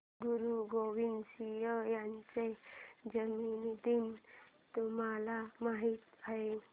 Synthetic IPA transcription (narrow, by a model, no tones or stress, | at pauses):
ɡuɾuɡoʋinsijəjaɲt͡sed͡ʑəminid̪in | t̪umalamaɦit̪ae